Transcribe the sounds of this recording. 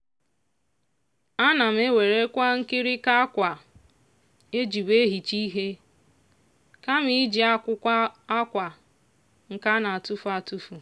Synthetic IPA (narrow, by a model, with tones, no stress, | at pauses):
a˦na˨m̩˦e˦we˨ɾe˦kʷa˦ŋ̩˦kɪ˦ɾɪ˦ka˦a˦kʷa˨ | e˦d͡ʒi˨be˦ɦi˨t͡ʃi˦ɦe˦ | ka˦m̩˦i˨˦d͡ʒi˨a˦kʷʊ˦kʷa˦a˦kʷa˨ | ŋ̩˨ka˦na˨a˨tu˦fu˨a˨tu˦fu˨